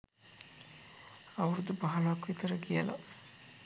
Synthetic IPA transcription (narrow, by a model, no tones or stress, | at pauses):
ɐʋɐɾud̪ubɐɦɐlaːkuʋit̪ɐɾɐɡijɐlɐ̰